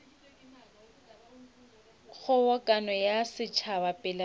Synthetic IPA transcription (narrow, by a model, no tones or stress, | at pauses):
ɣʊwɔkʼanɔjasɪt͡ʃʰabapʼɪla